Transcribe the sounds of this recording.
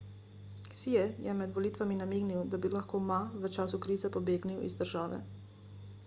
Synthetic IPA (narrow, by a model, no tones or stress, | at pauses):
siɛjɛmɛd̪ʋɔlit̪ʋaminamiːɡniwd̪abilaxkoːmaʋət͡ʃaːsukɾiːzɛpɔbeːɡniwḭzd̪əɾʒaːʋɛ̰